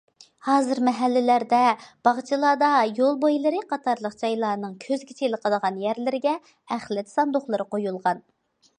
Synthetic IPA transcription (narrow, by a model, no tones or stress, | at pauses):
hɑːzɨɾmɛɦælːɪlæɾd̪ɛb̥ɑʁt͡ʃʰɨlˠɑːd̪ɑjolˠbojlˠɨɾɨqʰɑt̪ʰɑɾlˠəqd͡ʒɑjlˠɑːnɨŋkʲʰøzɡʲit͡ʃʰelɪqʰəlˠəʁɑnjæɾlɪɾɪɡʲɛ | æχlˠɪt̪sɑnd̪oχlˠɨɾɨqojulˠʁɑn